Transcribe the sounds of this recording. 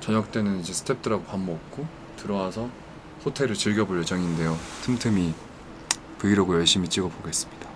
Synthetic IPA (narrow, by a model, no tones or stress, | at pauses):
t͡ɕʌɲʌk̚t͈e̞nɯnid͡ʑe̞sʰɯ̥tʰe̞p̚t͈ɯɾaɡopambʌk̚k͈o | tɯɾʌwasʰʌ | ɸotʰe̞ɾɯɭt͡ɕɯɭɡjʌboɭje̞d͡ʑʌŋinde̞jotʰɯmtʰɯmi | pɯiɾoɡojʌɭɕ͈imit͡ɕ͈iɡʌpoɡe̞s͈ɯmɲid̥a